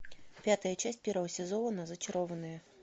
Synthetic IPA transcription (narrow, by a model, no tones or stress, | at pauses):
pʲat̪ɐjɐt͡ʃasʲpʲɛɾəɦɐsʲɛzɔlˠɐnɐzɐt͡ʃɐɾɔvɐnɨjɐ